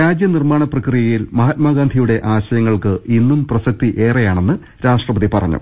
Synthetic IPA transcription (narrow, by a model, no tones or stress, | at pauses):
ɾaːd͡ʑjɐnirmaːɳɐprɐkrijɐjilmɐɦɐt̪̚maːɡaːnd̪ʱijuɽe̞ʔaːɕɐjɐŋːɐɭkɨʔinːumprɐsɐk̚t̪iʔe̞ːrejaːɳe̞nːɨ | ɾaːʂʈrɐbɐðipɐrɐ̰ɲːṵ